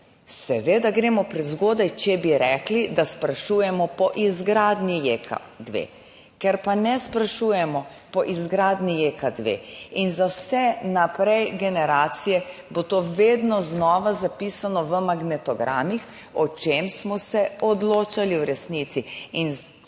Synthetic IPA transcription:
sɛʋeːd̪aɡɾeːmɔpɾɛzɡoːd̪ajt͡ʃɛbiɾɛklid̪aspɾaʃujɛmɔpɔʔizɡɾaːd̪nijeːkʰa̰ | d̪ʋḛ | kɛɾpanɛspɾaʃuːjɛmɔ | pɔʔizɡɾaːd̪nijeːkad̪ʋḛinzawsɛnapɾɛjɡɛnɛɾaːt̪sijɛbot̪oːʋeːd̪nɔznɔːʋazapiːsanɔʋəmaɡnɛt̪ɔɡɾa̰ːmix | ɔt͡ʃeːmsmɔsɛɔd̪loːt͡ʃaliwɾɛsnit̪siin

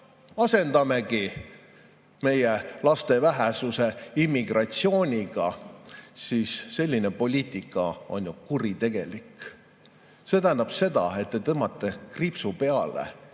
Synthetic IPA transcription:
ɑse̞nd̪̥ɑme̞ki | me̞jelɑst̪e̞væɦesuse̞imːiɡ̥rɑt̪sio̞ːnʲiɡ̥ɑ | siːsːe̞lʲːine̞po̞lʲiːt̪ˑikːˑɑo̰nʲjukurit̪e̞ɡ̥e̞lik | se̞t̪æhænd̪ɑb̥se̞d̪ɑ̰e̞t̪̚ːe̞t̪ɤmːɑt̪ːˑekripsupe̞ɑlḛ

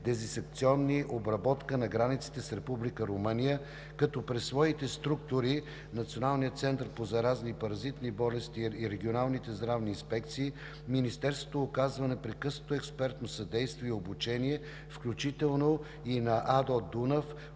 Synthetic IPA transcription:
d̪ɛzinsɛk̚t̪siɔnːiʔobɾɐbɔt̪kənɐɡɾanit̪si̥t̪ɛsɾɛpublikəɾomənijə | kɐt̪ɔpɾɛsːvɔit̪ɛst̪ɾuk̚t̪ʊɾi | nɐt̪sijonalˠnijət̪sɛnt̪əɾpozɐɾaznipɐɾɐzit̪nibɔlɛst̪iːɾɛɡʲionalˠnit̪ɛzd̪ɾavniːnspɛkt̪siː | minist̪ɛɾst̪vot̪oːkazvɐnɛpɾɛkɤsno̥t̪oɛkspɛɾt̪nosɐd̪ɛjst̪viɛobut͡ʃɛniɛ | fklʲut͡ʃit̪ɛlˠno | inɐʔad̪od̪unəf

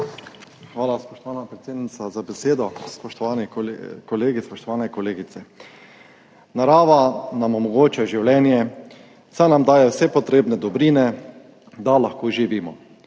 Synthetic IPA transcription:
xʋaːlaspɔʃt̪ɔʋaːnapɾet̪sjeːd̪nit̪sazabeseːd̪ɔspɔʃt̪ɔʋaːnɛkɔleːɡispɔʃt̪ɔʋaːnɛkɔleːɡit̪sɛ | naɾaːʋanamɔmɔɡoːt͡ʃaʒiwljɛːnjɛ | sanamd̪aːjɛwsɛpɔt̪ɾeːbnɛd̪ɔbɾiːnɛ | d̪alaxkoːʒiʋiːmɔ

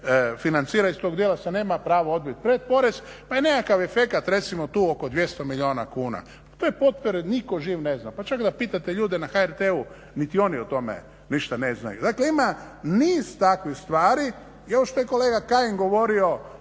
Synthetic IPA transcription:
finant̪siːɾaist̪o̞ɡd̪jelasane̞ːmapɾaːʋoo̞d̪̚bit̪̚pɾet̪̚po̞ɾe̞z | pajenekakaʋefe̞kat̪ɾe̞t̪simo̞t̪uːo̞ko̞d̪ʋje̞st̪o̞miʎioːna̰kuːna̰ | t̪ojepo̞t̪poɾeniko̞ʒiːʋneznapat͡ʃakd̪apiːt̪at̪e̞ʎuːd̪enaxaeɾt̪eu | nit̪io̞niot̪o̞mḛ | niʃt̪anezna̰jṵd̪akleima | niːz̥t̪akʋixst̪ʋaːɾi | ie̞ʋoʃt̪ojeko̞leːɡakaiŋɡo̞ʋo̞ɾio̞

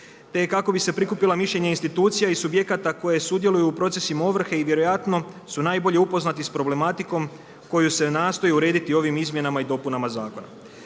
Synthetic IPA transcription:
t̪ekako̞bise̞pɾikupilamiʃʎe̞ɲeinst̪it̪uːt̪sijaisubje̞kat̪ako̞je̞sud̪je̞lujuːpɾo̞t̪se̞simaoʋr̩xe̞iʋje̞ɾo̞jat̪no̞ | sunaːjbo̞ʎe̞upo̞znat̪ispɾo̞ble̞mat̪iko̞m | ko̞juse̞naːst̪o̞jeuɾe̞ːd̪it̪io̞ʋimizmje̞namaid̪o̞punamazaːko̞na̰

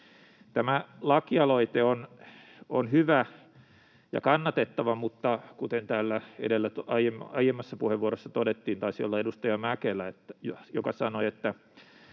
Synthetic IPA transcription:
t̪æmælɑkiɑloit̪eon | onhyʋæ | jɑ̰kɑnːɑt̪et̪ːɑʋɑmut̪ːɑkut̪ent̪æːlːæḛdelːæt̪ɑjemɑjemːɑsːɑpuheʋʋuoɾosːɑt̪odet̪ːiːnt̪ɑisio̰lːɑedust̪ɑjɑmækelːˑæet̪ːæ̥jjokɑsɑnoet̪ːæ

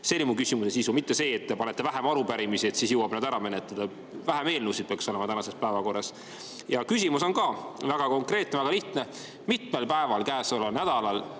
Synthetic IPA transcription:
se̞lʲmukysʲimusesisumit̪ːe̞se̞ːt̪ːepɑne̞t̪ːe̞væɦemɑɾupæɾimisiet̪siːsjɨwɑb̥nɑd̪æɾɑme̞net̪ːˑɑd̪̥ɑ | væɦæme̞ːlnusid̪̚peɑkso̞lemɑt̪ænɑse̞spæevɑko̞rːɑs | jɑkys̬ʲimuso̞nkɑvæɡ̥ɑko̞ŋkre̞ːt̪nevæɡ̥ɑliht̪ne̞ | mit̪melpæe̞vɑlkæːsolɑnæd̪̥ɑlɑl

